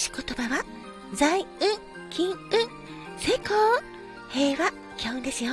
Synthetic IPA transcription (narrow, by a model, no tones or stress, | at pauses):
ɕi̥ko̞t̪o̞baβa | zaiɯ̟̃ŋ | kʲĩŋɯ̟̃ŋ | seːkoː | he̞ːβa | kʲʰaɯ̟̃nd̪e̞sɨjo